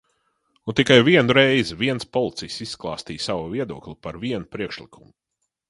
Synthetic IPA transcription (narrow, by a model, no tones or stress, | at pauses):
unt̪ikajviɛnuɾɛjzviɛnspɔlˠit̪sijsisːklˠɑːst̪iːjsawuviɛd̪uɔklʲipaɾviɛnupɾiɛkʃlˠikʰumu